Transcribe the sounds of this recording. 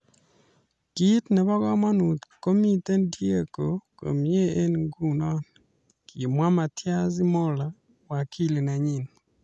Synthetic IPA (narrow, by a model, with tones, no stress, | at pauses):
ɡ̥i˦tnɛ˨βɔ˦ɣɔ˦ma˦nu˨t̪ko˦mi˦te˦ndje˦ko˨ko̰˨mje˦e˦nɡu˦nɔ˦n | ki˨mwa˦ma˨tʰja˦zɪ˦mɔ˦la˨ | wa˨kʰi˦le˨na˨ɲi˦˨n